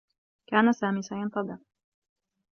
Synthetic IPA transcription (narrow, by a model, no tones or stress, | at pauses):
kaːnasaːmiːsaːjant̪ˤɑd̪a